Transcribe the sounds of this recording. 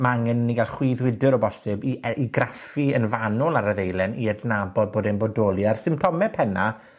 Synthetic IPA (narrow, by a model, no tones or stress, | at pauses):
maaŋɛnniɡalˠχwiðwɪdɨɾɔbɔsɪbiiɡrafiənvanɔlˠaɾəðejlˠɛniədnabɔd̚boːdɛnbɔdɔːlˠiarsɪmp̚tʰɔmɛpʰɛna